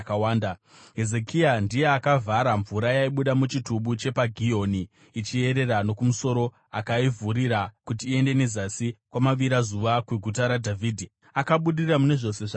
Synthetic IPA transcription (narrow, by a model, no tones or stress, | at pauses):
kawaːnda | ɦe̞zekiandije̞akavʱaɾaɱvuɾajaiɓuɗamut͡ʃituɓut͡ʃe̞paɡʱijo̞niː | t͡ʃie̞ɾe̞ɾano̞kumuso̞ɾo̞ | akaivuɾiɾakutiːe̞nde̞ne̞zasikwamaʋiɾazuʋakweɡʱutaɾadʱaviːdʱi | akaɓuɗirramune̞ʐo̞se̞ʐa